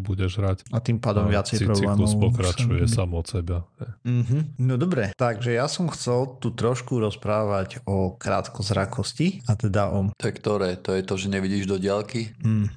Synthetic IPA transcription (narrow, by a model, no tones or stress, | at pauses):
buɟɛʒɦɾacat̪impaːd̪ɔmʋɪat͡sɛjiɾɔbblɛːmuɔsʊpɔkɾat͡ʃujɛsamɔt̪sɛbahɛj̩ɦm̩nɔd̪ɔbɾɛt̪aɡʒɛjasɔmxt͡sɛlt̪ut̪ɾɔʃkuɾɔspɾaːʋaɟɔkɾa̰ːt̪kɔzɾakʰɔsciat̪ɛd̪aʔɔt̪ɔjɛkt̪ɔɾɛːt̪ɔjɛt̪ɔʒɛɲɛʋiɟiːʒd̪ɔɟɪalkim̩ː